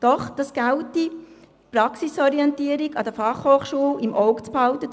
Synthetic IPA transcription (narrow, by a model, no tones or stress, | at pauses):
d̥ɔχd̥ɑsɡ̥ælti | prɑksisɔɾiɛntiəɾiɡɑd̥əfɑχhoːχʃuːəlimʔɔʊkt͡sphɑlt̪ə